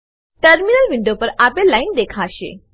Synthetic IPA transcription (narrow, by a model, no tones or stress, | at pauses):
ʈəɾminəlʋɪ̃ɳɖopɐɾaːpẽlaːɪnd̪eːkʰaːʃḛː